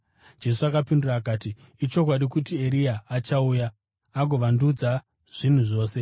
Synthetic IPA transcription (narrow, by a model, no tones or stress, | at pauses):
d͡ʒe̞s̬uakapinduraːkaːtiː | t͡ʃo̞k̬waɗikutie̞ɾijaːt͡ʃaujaː | ɡʱo̞ʋandud͡za | ʐ̥in̤uʐo̞ːse̞